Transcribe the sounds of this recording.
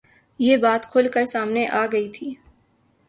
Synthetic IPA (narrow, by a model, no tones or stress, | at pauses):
jeːbaːt̪kʰʊlkəɾsaːmneʔaːɡɐit̪ʰiː